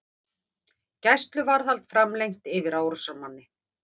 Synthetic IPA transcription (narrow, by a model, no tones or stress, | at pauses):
cajst̪lʏvaɾ̥θalt̪fɾamlejŋt̪ɪvɪɾaːwɾɔsamanːɪ